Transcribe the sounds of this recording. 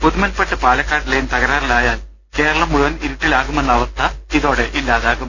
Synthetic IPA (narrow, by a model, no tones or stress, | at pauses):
puðumɐnpeʈːɨpaːɭɐkːaːʈːilejumt̪ɐɣɐɾaːrilaːjaːl | ke̞ːɾɐɭɐmːuɻuʋɐniɾiʈːilaːɣume̞nːɐʋɐst̪ːɐiðo̞ːɽe̞ʔilːaːðaːɣum